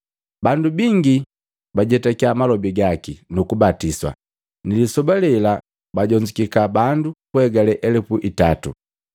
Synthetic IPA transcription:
bandubiŋɡi | baɟɛtakiamalɔbiɡakinukubatiswa̰ | nilisɔbalɛla | baɟɔɲd͡ʒikikabandukuɛɡalɛʔɛlɛpuʔitatṵ

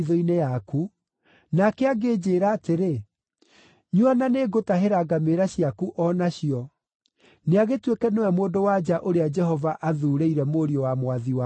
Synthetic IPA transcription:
ðɔinejaku | nakɛaɡeːd͡ʑeːɾaːteɾe | ɲuananeɡotaɦeɾaɡameɾaɕjakuʔɔnaɕiɔ | neaɣetwekɛnewɛmoːdowad͡ʒaʔoɾead͡ʒɛhɔvaʔaðuɾeiɾɛmoɾiɔwamwaðiwa

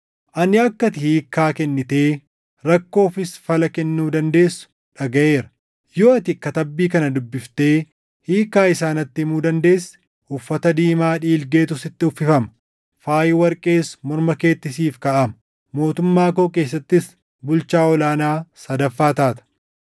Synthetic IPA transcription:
ʔɐnɪɐkːɐt̪ɪhiːkːaːkɛnːɪt̪eː | ɾɐkːo̞ːfɪsfɐlɐkɛnːuːd̪ɐnd̪e̞ːsːʊ̥ | ᶑɐɡɐʔe̞ːɾɐ̥ | joːɐt̪ɪkːɐt̪ɐbːiːkɐnɐd̪ʊbːɪft̪e̞ː | hiːkːaːɪsaːnɐt̪ːɪmuːd̪ɐnd̪e̞ːsː | ʔʊfːɐt̪ɐd̪iːmaːᶑiːlɡe̞ːt̪ʊsɪt̪ːɪʊfːɪfɐmɐ̥ | faːjɪwɐɾkʼe̞ːsmɔɾmɐke̞ːt̪ːɪsiːfkɐʔɐmɐ | mo̞ːt̪ʊmːaːkoːke̞ːs̬ːɐt̪ːɪs | bʊlt͡ʃaːɔlaːnaːsɐd̪ɐfːaːt̪aːt̪ɐ̥

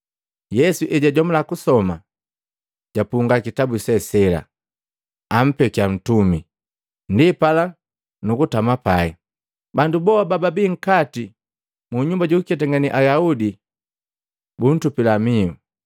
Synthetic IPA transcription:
jɛsuʔɛɟaɟɔmulakusɔma | ɟ̥apuŋɡakitabusɛsɛla̰ | am̩pɛkian̩tumi | ndipala | nukutamapaɛ | bandubɔabababiŋ̩kati | muɲumbaɟukɛtaŋɡaniʔajaudi | bun̩tupilamiu

